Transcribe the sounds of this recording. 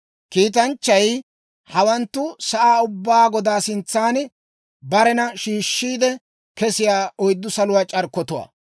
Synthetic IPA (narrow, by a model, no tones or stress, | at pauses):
kiːt̪̬ɐnt͡ʃːɐj | hɐwɐnt̪ːʊsɐʔaːʊbːaːɡɔd̪aːsɪnt͡sːaːn | bɐɾɛnɐʃiːʃːiːd̪ɛ | kɛsɪjaːɔjd̪ːʊsɐlʊwaːt͡ʃʼɐɾkːɔt̪ʊwa̰ː